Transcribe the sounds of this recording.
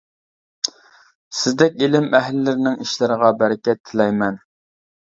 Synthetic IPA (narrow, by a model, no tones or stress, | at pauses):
sɪzd̪ɛkʲilɪmʔɛɦlɪːɪɾɪnɪŋiʃlɪɾəʁɑbæɾɪkʲɛt̪ʰːɪlɛjmɛn